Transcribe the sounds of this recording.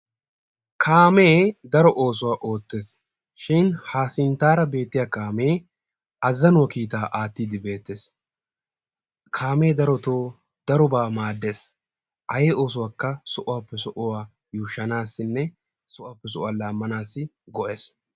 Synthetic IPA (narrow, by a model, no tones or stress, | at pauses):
kʰaːme̞ːd̪ɐɾɔʔo̞ːs̬ʊwaːʔo̞ːt̪ːe̞ːs | ʃɪnhaːsɪnt̪aːɾɐbe̞ːt̪ːɪjaːkaːme̞ː | ɐzːɐnʊwɐkiːt̪aːʔaːt̪ːiːd̪ɪbe̞ːt̪ːeːs | kʰaːme̞ːd̪ɐɾɔt̪oː | d̪̥ɐɾɔbaːmaːd̪ːe̞ːs | ʔɐjeːo̞ːs̬ʊwaːkːɐsɔʔʊwaːpːɛsɔʔʊwaː | juːʃːɐnaːsːɪnːɛ | sɔʔʊaːpːɛs̬ɔʔʊaːlaːmːɐnaːsːɪɡɔʔeːs